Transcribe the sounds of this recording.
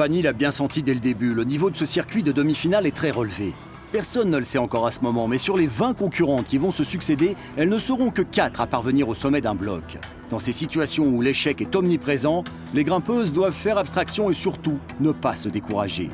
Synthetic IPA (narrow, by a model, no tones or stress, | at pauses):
paɲilabjɛ̃sɑ̃t̪id̪ɛləd̪ebylənivod̪əsəsiʁkʲɥid̪əd̪ɔmifinalɛt̪χɛʁəlve | pɛʁsɔnːələsɛɑ̃kɔʁasəmɔmɑ̃mɛsyʁlevɛ̃kɔ̃kʲyʁɑ̃t̪kʲivɔ̃səsyksed̪e | ɛlnəsəʁɔ̃kəkat̪χapaʁvəniʁosɔmɛd̪ɛ̃blɔ̰k | d̪ɑ̃sesit̪ɥasjɔ̃uleʃɛkɛt̪ɔmnipχezɑ̃ | leɡʁɛ̃pøzd̪wavfɛʁapst̪χaksjɔ̃esyʁt̪u | nəpasəd̪ekuʁaʒḛ